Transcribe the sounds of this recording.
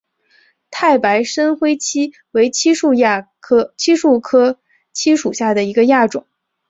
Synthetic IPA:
t̪ʰa˥˩ɪpa˧˥ɪʂə˥nxwe˥ɪt͡ɕʰi˥ | we˧˥ɪt͡ɕʰi˥ʂu˥˧jʰ | t͡ɕʰi˥ʂu˥˩kʰɤ˥ | t͡ɕʰi˥ʂu˨˩ɕja˥˩d̪ə˩i˧˥ɡə˧ja˥˩ʈ͡ʂʊ˨˩˦ŋ

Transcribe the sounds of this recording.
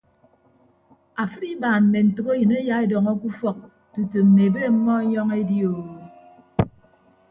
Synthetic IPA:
a˨fɨ˦ɾi˦baː˨nm̩˨me˨n̩˨tɨ˨ke˦jɨ˨ne˦ja˦e˦dɔ˨ŋɔ˦ku˦fɔ˨k̚ | tu˨tu˨m̩˨ne˨e˨be˦m̩˦mːɔ˦e˦ɲɔ˦ŋe˦djo˨

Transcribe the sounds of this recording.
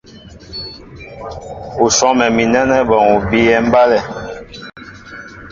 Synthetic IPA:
u˨sɔ˦mɛ˨mi˨nɛ˦nɛ˦bɔ˨ŋu˨bi˦ɛ˦m̩˦ba˦lɛ˦˨

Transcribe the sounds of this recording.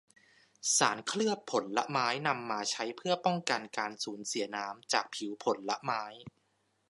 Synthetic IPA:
saː˩˦nkʰlɯ˥˩ət̚pʰːo˩˦nla̰˦˥ʔmaː˦˥jna˧mːaː˧t͡ɕʰa˦˥jpʰɯ˥˩ɐpɔ˥˩ŋka˧nkaː˧nsuː˩˦nsi˩˦ɐnaː˦˥mt͡ɕaː˨˩k̚pʰi˩˦wpʰo˨˩˦nla˦˥ʔmaː˦˥j

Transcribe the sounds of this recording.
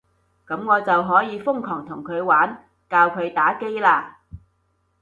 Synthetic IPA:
kɐ˨˥mŋɔː˨˧t͡sɐ˨wɦɔː˨˥jiː˨˧fʊ˥ŋkʰɔː˨˩ŋt̪ʰʊ˨˩ŋkʰɵ˨˧ɥwaː˨˥n | kaː˧wkʰɵ˨˧ɥt̪aː˨˥ke˥jlaː˧

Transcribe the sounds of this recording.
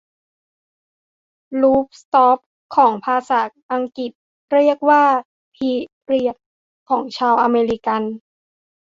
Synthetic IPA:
luː˦˥p̚st̪ɔː˦˥p̚ | kʰːɔː˩˦ŋpʰaː˧sa˩˦ʔa˧ŋki˨˩t̪̚ | ɾi˥˩ək̚waː˥˩ | pʰiː˧ | ɾi˧˩ə˩k̚ | kʰːɔː˩˦ŋt͡ɕʰaː˧wʔa˧meː˧ɾi˧ka˧n

